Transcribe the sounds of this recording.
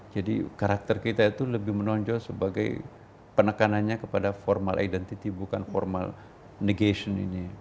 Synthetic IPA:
d͡ʒadikaɾak̚t̪ərkit̪ait̪uləbɪhmənɔɲd͡ʒɔsəbaɡa̰j | pənəkananɲakəpadafɔrmalʔa̰idɛnt̪it̪ibukanfɔ̰rma̰l | neɡeʃɔnḭni

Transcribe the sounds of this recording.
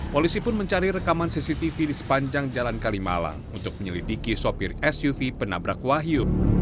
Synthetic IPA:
polisipʊnməɲt͡ʃaɾiɾəkamansisit̪ifidisə̥paɲd͡ʒaŋd͡ʒalankalima̰la̰munt̪ʊk̚məɲəlidikisopirɛsjufipəna̰bɾakwaɦiu

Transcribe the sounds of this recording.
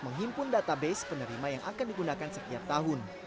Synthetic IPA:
məŋɦimpʊndat̪abespənəɾimajaŋʔakandiɡunakansət̪iap̚t̪aɦʊn

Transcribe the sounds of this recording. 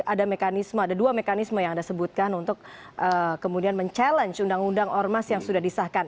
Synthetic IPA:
adamekanismoadaduamekanismojaŋandasəbut̪̚kanunt̪ʊk | ʔəkəmudianməɲt͡ʃɛlɛnt͡ʃundaŋundaŋɔrmasjaŋsudahdisahkan

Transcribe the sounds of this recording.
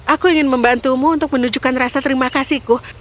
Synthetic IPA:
ʔakuiŋɪnməmbant̪umuːnt̪ʊk̚mənud͡ʒukanrasat̪əɾimakasɪhkʊ

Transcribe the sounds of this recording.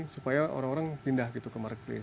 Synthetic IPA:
supajaʔo̰ɾaŋoɾaŋpindahɡit̪ukəmaɾklḛ

